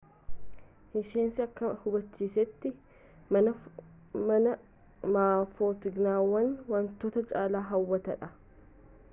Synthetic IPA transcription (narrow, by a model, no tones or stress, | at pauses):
ʔɪʃe̞ːnsɪɐkːɐhʊbɐt͡ʃːiːsɛt̪ːɪ | mɐnɐ | maːfoːt̪ɪɡnaːwːɐnwɐnt̪ːoːt̪ɐt͡ʃʼaːlaːɦɐwːɐt̪ɐᶑɐ